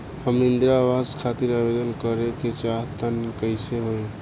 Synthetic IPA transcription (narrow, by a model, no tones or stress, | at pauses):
həmind̪ɾabaskʰat̪iɾabed̪ənkəɾeket͡ʃaɦt̪ənkəɪseɦoj